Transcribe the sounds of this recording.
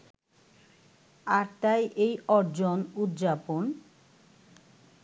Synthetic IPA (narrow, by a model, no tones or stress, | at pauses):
aɾt̪ajʔejɔɾd͡ʑonud̪d͡ʑapon